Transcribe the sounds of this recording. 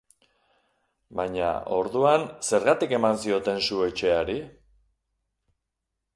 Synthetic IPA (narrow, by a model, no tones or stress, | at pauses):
baɲa̰o̞ɾðuanse̞ɾɣat̪ike̞mansio̞t̪e̞nsue̞t͡ʃe̞aɾi